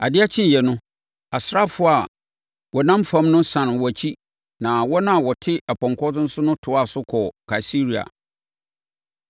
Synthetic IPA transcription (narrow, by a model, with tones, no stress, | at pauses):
a̰˨dɪ˦a˦t͡ɕʰɪ̃˦n˨jɛ˨nʊ̃˦ | a˨sɾa˦fʊ˦a˨ | wɔ˨nã˦mfã˦mnʊ̃˦sã˨ñ˨wɔ˨æ˨t͡ɕʰi˦ | nã˨wɔ˦nã˦a˨wɔ˨tʰɪ˦a˨pʰɔ̃˨ŋkʰɔ˦dʊ̃˦n̩˦sʊ˦nʊ̃˦tʰʊ˨˦a˨sʊ˦kʰɔ˨kʰa˨i˨si˦ɾi˨a̰˨